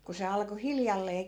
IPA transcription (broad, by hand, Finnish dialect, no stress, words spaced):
ku se ɑlko hiljɑlːeː